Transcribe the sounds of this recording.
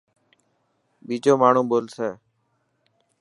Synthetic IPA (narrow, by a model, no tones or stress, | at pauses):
ɓiːd͡ʒoːmaːɳ̤ũːɓoːlseː